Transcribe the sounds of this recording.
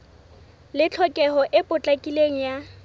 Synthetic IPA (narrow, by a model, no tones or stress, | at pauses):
lɪt͡ɬʰɔkʼɛɦɔʔɪpʼʊt͡ɬʼakʼileŋ̩ja